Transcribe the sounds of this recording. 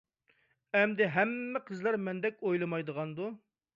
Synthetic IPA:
ɛmd̪ɪɦɛmːɪqʰəzlˠɑɾmɛnd̪ɛk̚ʲojlˠɨmɑjd̪əʁɑnd̪u

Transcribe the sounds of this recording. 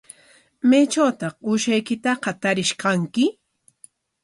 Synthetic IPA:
majt͡ʃawt̪ɑχʊʃajkɪt̪aqɑt̪aɾɪʃqɑŋkɪ

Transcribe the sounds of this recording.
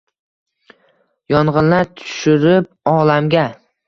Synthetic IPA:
jɒɴʁɨnlaɾt̪ʰʊ̥ʃʊɾɪp̚ | ɒlamɡʲa

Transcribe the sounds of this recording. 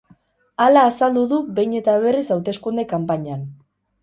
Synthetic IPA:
alaːsald̪uðuβe̞jɲe̞t̪aβ̞e̞risawt̪e̞skund̪ekampaɲan

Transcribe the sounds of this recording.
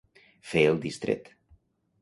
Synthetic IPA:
feelˠd̪ist̪ɾḛt̪

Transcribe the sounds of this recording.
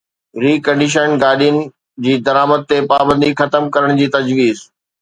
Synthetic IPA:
ɾiːkɐ̃ɳɖɪʃ̬ənɡaːɗijʊnɪ̆ | d͡ʑiːd̪ɐɾaːməd̪̚t̪epaːbə̃nd̪ixɐt̪əmkɐɾəɽ̃d͡ʑiːt̪ɐd͡ʑʋiːz

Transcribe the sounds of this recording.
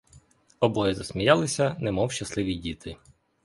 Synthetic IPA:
ɔbɔjɛzɐsmʲijɑlˠɪsʲɐnɛmɔwʃt͡ʃɐslˠɪʋʲidʲit̪ʰɪ

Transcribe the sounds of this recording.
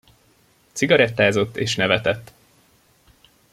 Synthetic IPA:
t̪siɡɒɾɛt̪ːaːzo̞t̪ːeːʃnɛvɛt̪ɛt̪ː

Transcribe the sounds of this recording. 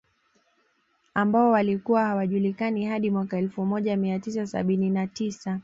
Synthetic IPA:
ambaɔwalikuwahawaʄulikanihaɗimwakaɛlfumɔʄamiatisasa̰ɓininatisa

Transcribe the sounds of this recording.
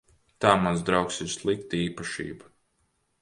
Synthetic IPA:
t̪aːmanzd̪ɾaʊwksɪɾslˠik̚t̪iːpaʃḭːba

